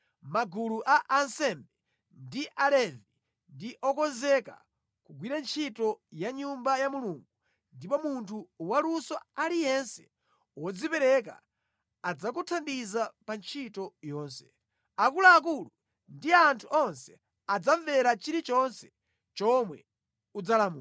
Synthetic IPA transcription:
maɡuluʔaʔansɛmbɛ | ndiʔalɛvi | ndiʔɔkɔnzɛka̰ | kuɡwiɾant͡ʃʰitɔjaɲumbajamuluŋɡu | ndipɔmuntʰuwalusɔalijɛnsɛ | wɔd͡zipɛɾɛk̬a̰ː | d͡zak̬utʰandizapant͡ʃʰitɔjɔːnsɛ̥ | akulaːk̬ulu | ndiantʰuʔɔnsɛ | ad͡zaɱvɛɾat͡ʃiɾit͡ʃɔnsɛ | t͡ʃɔmwɛ̰ | ud͡zalamuː

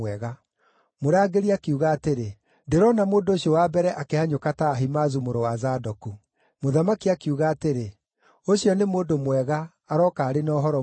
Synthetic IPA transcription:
wɛɣa | moɾaɡeɾiakeuɣaːteɾe | ndeɾɔnamoːndoːɕjɔwabɛɾɛʔakeaɲokataːɦimazumoɾowazadɔku | moðamakiakiuɣaːteɾe | oɕjɔnemoːndomwɛɣaː | ɾɔːkaːɾenɔɦɔɾɔ

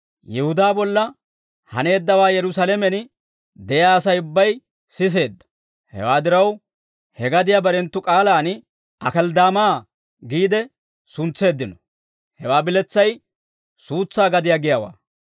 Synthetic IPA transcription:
jɛhʊd̪aːbɔlːɐ | hɐ̰ne̞ːd̪ːɐwaːjɛɾʊsɐlɛmɛn | d̪ɛjaːsɐjʊbːɐj | sɪs̬e̞ːd̪ːɐ̥ | hɛ̰waːd̪ɪɾɐw | hɛɡɐd̪ɪjabɐɾɛnt̪ːʊkʼaːlaːn | ɐkɐld̪aːmaː | ɡiːd̪ɛ | sʊnt͡sːe̞ːd̪ːɪnɔ | hɛwaːbɪlɛt͡sːɐj | suːt͡sːaːɡɐd̪ɪjaːɡɪjawa̰ː

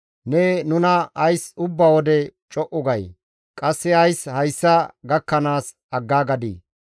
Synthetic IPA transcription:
nɛnʊnɐɐjsʊbːɐwɔd̪ɛt͡ʃʼɔʔʊɡɐj | kʼɐsːɛɐjshɐjsːɐɡɐkːɐnaːs | ɐɡːaːɡɐd̪ḭː

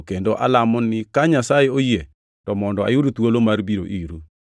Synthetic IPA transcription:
kendoʔalamɔnɪkaɲasajeoje | tɔmɔndɔa̰juɾut̪wolomarbiɾoʔiɾu

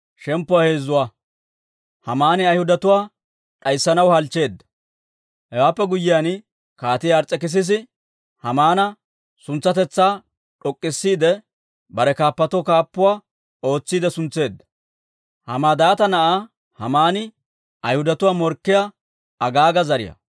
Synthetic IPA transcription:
ʃɛmpːʊwahe̞ːzːʊwaː | hɐmaːnɪɐjhʊd̪ɐt̪ʊwaː | ᶑʼɐjsːɐnɐwhɐlt͡ʃːe̞ːd̪ːɐ̥ | hɛwaːpːɛɡʊjːɪjan | kaːt̪ɪjːɾt͡sʼɛkɪs̬ɪs̬ɪ | hɐmaːnɐ | sʊnt͡sːɐt̪ɛt͡sːaː | ᶑɔkʼːɪsːiːd̪ɛ | bɐɾɛkaːpːɐt̪ɔkaːpːʊwaː | o̞ːt͡sːiːd̪ɛsʊnt͡sːe̞ːd̪ːɐ̥ | hɐ̰maːd̪aːt̪ɐnɐʔaː | hɐmaːnɪ | ɐjhʊd̪ɐt̪ʊwaːmɔɾkːɪja | ɐɡaːɡɐzɐɾɪ̰jɐ̰

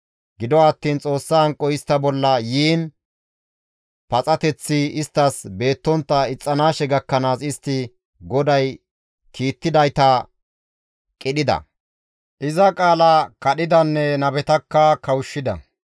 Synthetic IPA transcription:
ɡɪd̪ɔɐt̪ːiːnt͡sʼo̞ːsːahɐŋkʼːɔɪst̪ːɐbɔlːɐjiːn | pɐt͡sʼɐt̪ɛt͡sːɪɪst̪ːɐsbe̞ːt̪ːɔnt̪ːɐɪt͡sʼːɐnaːʃɛɡɐkːɐnaːsɪst̪ːɪ | ɡɔd̪ɐj | kʰiːt̪ːɪd̪ɐjt̪ɐ | kʼɪɗɪd̪ɐ̰ | ʔɪzɐkʼaːlɐkɐɗɪd̪ɐnːɛnɐbɛt̪ɐkːɐkɐwʃːɪd̪ɐ̰

